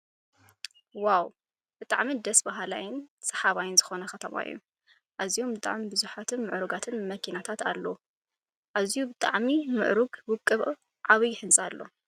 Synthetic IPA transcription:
waw | b̥ɨt̪ʼa̰ʕmid̪ɐsbaɦala̰jɪnsɐ̥ħaβajɪnzɨxo̞nɐxɐt̪ʰɐma̰ɨ̰jːṵ | ʔazijo̞mbɨt̪ʼa̰ʕmibɨzuħat̪ʰɨnmɨʕɾuɡat̪ʰɨnmɐkʰinat̪ʰat̪a̰lːɐu | ʔazijubɨt̪ʼa̰ʕmimɨ̰ʕɾuɡwʊkʼːɨβ | ʕaβɨjɪħɨnsʼalːo̞̰

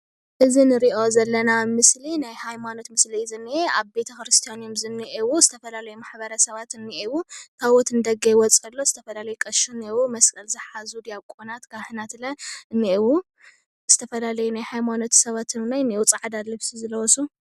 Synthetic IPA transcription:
ʔɨzinɨɾiʔo̞zɐlːɐnamɨslinajhajmano̞t̪mɨslizɨnːieaβbe̞t̪ʰɐkɾɨst̪ʰijanjomzɨnːiʔewuzɨt̪ʰɐfɐlalɐjumaħbɐɾɐsɐβat̪ɨnːiʔewukʰaβɔt̪ɨnɨd̪ɐɡɐjwɔt͡sʼɐlːozɨt̪ʰɐfɐlalɐjukʼɐʃunːewumɐskʼɐlzɨħazud̪jakʼonat̪kʰahɨnat̪lɐɨnːiʔewu | z̥ɨt̪ʰɐfɐlalɐjunajhajmanot̪sɐβat̪ʰɨnnajnːiwut͡sʼaʕd̪alɨβsizɨlɐwɔsu

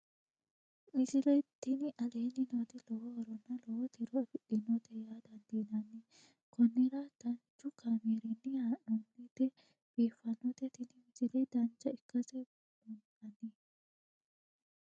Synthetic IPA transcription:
mɪd͡ʒɪlɛjt̪ɪnɪʔɐleːnɪnɔt̪ɛlɔwɔwɐɾɔnːɐlɔwɔt̪ɪɾɔɐfɪɗɪnɔt̪ɛjaːd̪ɐnd̪iːnɐnːɪ | kʰɔnːɪɾɐd̪̥ɐnt͡ʃːʊkameːɾɛnːɛhaʔɔnːɪt̪ːɛ | b̥iːfɐnːɔt̪ɛt̪ɪnɪmɪzɪlɛjd̪ɐnt͡ʃːɐɪkːɐsɛ | bɔnᶑɐnːi

